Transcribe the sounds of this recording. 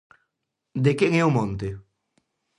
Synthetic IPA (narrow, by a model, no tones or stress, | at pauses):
d̪ekeŋɛumõnt̪e